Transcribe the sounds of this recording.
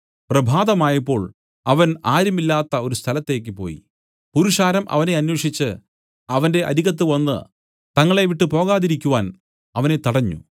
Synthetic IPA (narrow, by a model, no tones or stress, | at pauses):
prɐbʱaːd̪ɐmaːjɐpːo̞ːɭ | ɐʋɐnaːɾumilːaːt̪ːɐo̞ɾust̪ʰɐlɐt̪ːe̞ːk̬ʲːɨpo̞̰ːjḭ | puɾuʂaːɾɐmʔɐ̰ʋɐne̞ɐnːwoːʂit͡ɕːɨ | ɐʋɐnde̞ʔɐ̰ɾiɣɐt̪̬ːɨʋɐnːɨ̰ | t̪ɐŋːɐɭe̞ʋiʈːɨpo̞ːɣaːðiɾikʲːuʋaːn | ɐʋɐne̞t̪ɐɽɐɲːṵ